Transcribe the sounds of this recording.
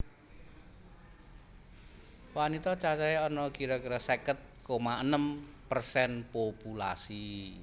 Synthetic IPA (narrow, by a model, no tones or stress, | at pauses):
wanit̪ɔt͡ʃat͡ʃaeɔnɔkiɾɔkiɾɔsɛkət̪̚komaʔənəm | pərsɛnpopula̰si